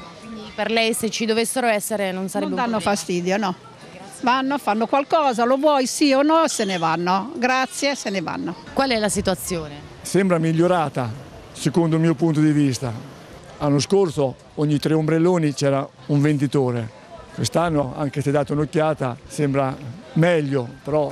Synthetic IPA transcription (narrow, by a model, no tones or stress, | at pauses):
kind̪iperlɛjset͡ʃid̪ovesːeɾoɛsːeɾenonsaɾɛnbed̪anːofast̪iːd̪jonɔ | vanːofanːokwalkɔːzalovwɔːjsionɔsenevanːoɡɾat̪sːjeseneva̰nːokwalɛlasit̪uat̪sːjoːne | sɛmbɾamiʎːoɾaːt̪a | sekond̪omiːopunt̪̬od̪ivist̪a | anːoskoɾso | oɲːit̪ɾeombɾelːoːnit͡ʃɛːɾa | uɱvend̪it̪oːɾe | kwest̪anːoa̰ŋkesed̪aːt̪ounokːjaːt̪a̰sɛmbɾamɛʎːopeɾɔ